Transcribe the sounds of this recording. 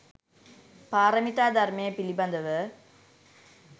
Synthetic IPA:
paːɾɐmit̪ːaːd̪ɐɾmepɪlibɐnd̪ɐʋɯ

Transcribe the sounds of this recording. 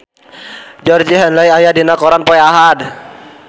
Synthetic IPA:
d͡ʒɔrd͡ʒiɦɛnlajajadinakɔɾanpɔɛaɦad

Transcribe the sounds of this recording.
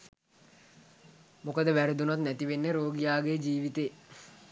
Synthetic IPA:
mukəd̪əʋæɾed̪unat̪næt̪iʋenːeɾoːɡijaːɡejd͡ʒiːʋit̪eː

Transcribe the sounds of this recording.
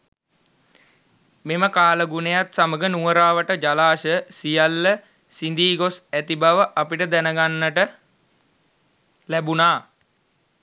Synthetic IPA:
meməkaːləɡunejat̪saməɡənuʋəɾaːʋəʈəd͡ʒalaːʃəsijalːə | sind̪iːɡosæt̪ibaʋəʔapiʈəd̪ænəɡanːəʈə | læbunaː

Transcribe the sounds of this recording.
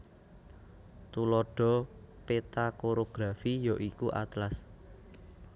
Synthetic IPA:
t̪ulɔɖ̥ɔ̤pet̪akoɾoɡ̥ɾafijɔʔikuʔa̰t̪las

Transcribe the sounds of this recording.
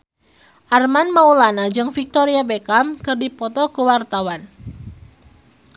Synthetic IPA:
ʔarmanmaulanad͡ʒɨŋfik̚t̪ɔɾiabekamkɨrdipɔt̪ɔkəwart̪awan

